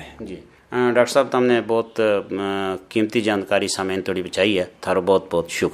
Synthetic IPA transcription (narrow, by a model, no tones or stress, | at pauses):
d͡ʒiː | ɖaːkʈəɾsaːb̚t̪əmnẽːbɔːt̪ | kiːmt̪iːd͡ʒaːnkaːɾisaːmeːnt̪ʰoːɽiːbət͡ʃʰaːiɛːt̪ʰaːɾobɔːt̪̚bɔːt̪ʃʊk